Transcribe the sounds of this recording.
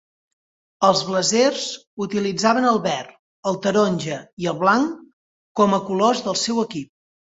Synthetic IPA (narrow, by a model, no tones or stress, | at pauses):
əlˠzβləzerzut̪ilid͡zaβənəlˠβɛr | əlˠt̪əɾonʲʒəiəlˠβlaŋ | kɔməkulozðəlˠsɛwəkip̚